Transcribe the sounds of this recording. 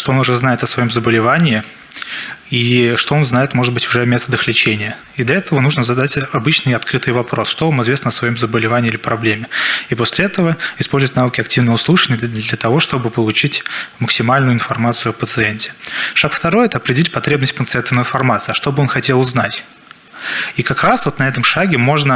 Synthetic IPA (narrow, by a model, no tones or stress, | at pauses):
ʂt̪oonʊʐɛznajɪt̪əsvɐjo̞mzəbəlʲɪvanʲɪɪ | iʂt̪oo̞nznajɪt̪mo̞ʐɨd̪̚bɨtʲʊʐɛmʲet̪əd̪əxlʲɪt͡ɕenʲɪjə | id̪lʲɐɛt̪əvənuʐnəzɐd̪atʲɐbɨt͡ɕnɨjɐt̪kɾɨt̪ɨjvɐpɾʔo̞sʂt̪o̞vamɨzvʲesnəsvɐjo̞mzəbəlʲɪvanʲɪːilʲɪpɾɐblʲemʲɪipo̞sʲlʲɪɛt̪əvəɪspo̞lʲzʊvətʲnavɨkʲɪɐktʲivnəvəʊslˠɨʂɨnʲɪjəd̪ʲlʲɐt̪ɐvo̞ʂt̪o̞bɨpəlˠʊt͡ɕitʲməksʲɪmalʲnʊjʊɪnfɐrmat̪sɨʊɐpət̪sɨenʲtʲɪ̥ʂakft̪ɐɾo̞jɛt̪əɐpɾʲɪdʲɪlʲitʲpɐt̪ɾʲe̞bnəsʲt̚ʲpənt̪sɨɛnt̪əvnəɪnfɐrmat̪sɨɐʂt̪o̞bɨo̞nxɐtʲe̞lˠʊznatʲ | ikɐkɾasvo̞t̪nɐɛt̪əmʂaɡʲɪmo̞ʐnə